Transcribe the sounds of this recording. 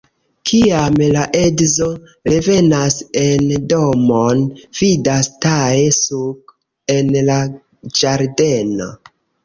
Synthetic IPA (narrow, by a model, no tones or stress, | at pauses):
kʰiamlaʔe̞dzo̞ | ɾe̞ve̞nase̞ndo̞monv̥idastaje̞suɡ | e̞nla | d͡ʒaɾde̞no̰